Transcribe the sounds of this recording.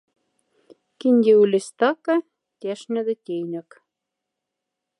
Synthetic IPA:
kinʲd̪ʲeulʲest̪ɑkɤ | t̪ʲæʃnʲɘ̆d̪ɘ̆t̪ʲejnʲɘ̆k

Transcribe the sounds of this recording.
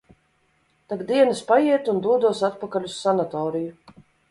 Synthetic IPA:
t̪abd̪iɛnɨspajiɛt̪und̪uɔd̪uɔsat̪̚pakalʲusːanat̪ɔːɾiju

